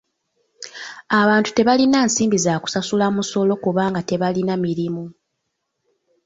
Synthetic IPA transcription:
aβaːntu̥te̞βalinaːnsiːmbizaːku̥sasulamuso̞lo̞kuβaːŋɡate̞βalinamiɾimu

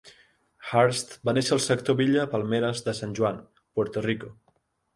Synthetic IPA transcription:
xaɾst̪baneʃəːlˠsəkt̪oβiʎəpalˠmeɾəzðəsanʲʒuan | poɾt̪oriko

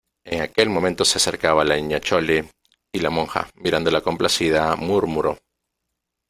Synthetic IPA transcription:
eŋake̞lmoment̪o̞sease̞ɾkaβalaiɲat͡ʃo̞li | ilamõ̞ŋxa̰miɾand̪o̞lako̞mplasiðamuɾmuɾo̞

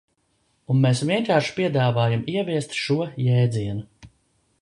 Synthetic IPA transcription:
unmesʋiɛkaːʃi̥piɛd̪aːvaːjamiɛviɛst̪ʃuɔjɛːd̪ziɛnu

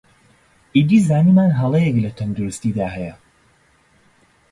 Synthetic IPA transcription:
ʔid̪iːzaːniːmaːnɦɐlˠejɛklɐt̪ʰɐnd̪uɾɨst̪id̪aːhɛjɐ

